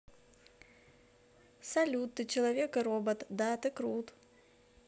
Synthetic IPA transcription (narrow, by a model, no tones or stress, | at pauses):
sɐlʲut̪ːɨt͡ɕɪlˠɐvʲekɨɾɔbət̪d̪at̪ɨkɾut̪